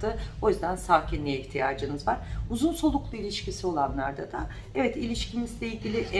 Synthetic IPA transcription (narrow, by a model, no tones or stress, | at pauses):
ɯo̞jyzd̪ænsaːcʰinlʲijɛiçt̪ʰijaːd͡ʒɯnɯzvaɾ̥uzunso̞lˠuklˠuilʲiʃcisio̞lˠanlˠaɾd̪ad̪a | ɛvɛt̪ilʲiʃcimizlʲɛilʲɟʲilʲiʔɛ